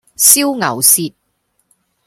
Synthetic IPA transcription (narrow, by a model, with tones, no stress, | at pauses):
si˥wŋɐ̰˨˩wsiː˧t̚